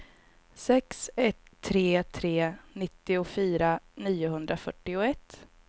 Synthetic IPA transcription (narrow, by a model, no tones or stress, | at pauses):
sɛksɛt̪ʰːɾeːt̪ʰɾeːnɪt̪ːɪʊfyːɾaniːʊɦɵnd̪ɾafœʈːɪʊɛt̪ː